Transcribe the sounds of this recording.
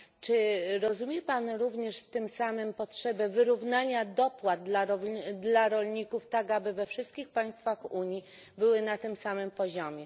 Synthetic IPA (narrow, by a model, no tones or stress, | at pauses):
t͡ʂɘɾɔzumʲjɛpanɾuvɲɛʂft̪ɘmsamɘmpɔtʂɛbɛvɘɾuvnaɲad̪ɔpwad̪̚d̪laɾɔd̪laɾɔlɲikuft̪aɡabɘvɛfʂɘst̪̚kʲixpaj̃st̪faxuɲji | bɘwɘnat̪ɘmsamɘmpɔʑɔmʲjɛ